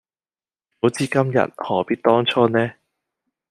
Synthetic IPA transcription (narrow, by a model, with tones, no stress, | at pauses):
ho˨˥wt͡siː˨˧kɐ˥mjɐ̰˨t̚hɔː˨˩piː˥t̚t̪ɔː˥ŋt͡ʃʰɔː˥nɛː˦˥